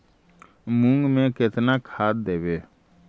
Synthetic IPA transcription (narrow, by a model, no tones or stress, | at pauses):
mʊ̃ŋɡmẽkɪt̪nakʰaːd̪̚d̪eːʋeː